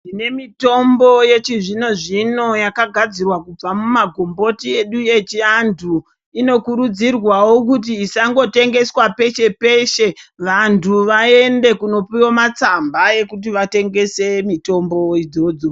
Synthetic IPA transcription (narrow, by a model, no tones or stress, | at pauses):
ine̞mito̞mbo̞je̞t͡ʃiʐino̞ʐino̞jakaɡʱad͡zirwakub͡vamumaɡʱo̞mbo̞tie̞ɗuje̞t͡ʃiantʰu | ino̞kuɾud͡zirwawokut̬iːsaŋɡo̞te̞ŋɡe̞swape̞ʃe̞pe̞ʃe̞ʋantʰuʋae̞nde̞kuno̞pijomat͡sambaje̞kut̬iʋate̞ŋɡe̞se̞mito̞mbo̞id͡zod͡zo